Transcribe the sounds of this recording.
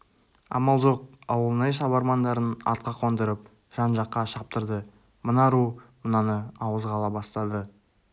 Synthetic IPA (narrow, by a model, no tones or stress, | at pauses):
ɑ̰mɑlˠʒo̞q̚ɑwəlˠənɑjʃ̬ɑbɑɾmɑnd̪ɑɾənɑ̰ɾt̪̚qɑqʰo̞nd̪əɾəp̚ | ʒ̥ɑnʒɑqːɑʃɑp̚t̪əɾd̪ə | mənɑɾumənɑnəɑwəzʁɑlˠɑbɑst̪ɑd̪ə